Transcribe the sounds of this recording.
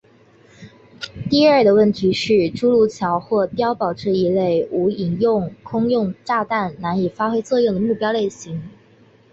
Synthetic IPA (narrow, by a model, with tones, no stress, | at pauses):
t̪i˥˧ə˞˥˩d̪ə˩wə˥˩nt̪ʰi˧˥ʂɻ̩˥˩ʈ͡ʂu˥lu˥˩t͡ɕʰjɑ˧˥ʊxwɔ˥˩t̪jɑ˥ʊpɑ˨˩ʊʈ͡ʂɻ̩˥˩i˧˥le˥˩ɪu˧˥i˨˩ŋjʊ˥˩ŋkʰʊ˥ŋjʊ˥˧ŋʈ͡ʂa˥˧t̪a˥˩nna˧˥ni˨˩fa˥xwe˥ɪt͡sɤ˥˧jʊ˥˩d̪ə˩mu˥˩pjɑ˥ʊle˥˩ɪɕi˧˥ŋ